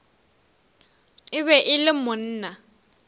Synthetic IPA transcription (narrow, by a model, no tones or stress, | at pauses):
ɪβɛʔɪlɪmʊn̩ːna